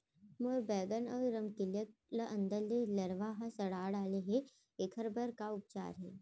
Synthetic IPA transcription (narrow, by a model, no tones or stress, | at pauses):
moːɾbɛːɡənɔːɾɾɐmkɪlələʔɐ̃nd̪əɾlelɐɾʋaːɦasɐɽaːɽaːleɦe | ekʰəɾbəɾkaʊp̚t͡ʃa̰ːɾɦɛ̰ː